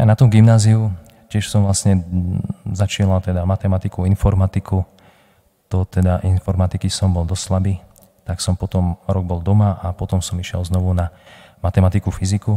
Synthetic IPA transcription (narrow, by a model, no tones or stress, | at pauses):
ja̰nat̪ɔmɡimnaːziu | cɪɛʃsɔmʋlasɲɛ | zat͡ʃinat̪ɛd̪amat̪ɛmat̪ikuinfɔɾmat̪ikʰu | t̪ɔt̪ɛd̪aʔinfɔɾmat̪ikisɔmbɔld̪ɔsslabiː | t̪aksɔmpɔt̪ɔmɾɔɡ̚bɔld̪ɔmaapɔt̪ɔmsɔmiʃɪɛ̰lznɔʋunamat̪ɛmat̪ikufiziku